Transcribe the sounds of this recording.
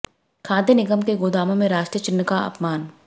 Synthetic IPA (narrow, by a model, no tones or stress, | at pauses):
kʰaːd̪jənɪɡəmkeɡoːd̪aːmõmẽɾaːʃʈɾijət͡ʃɪnːkaɐ̰pmaːn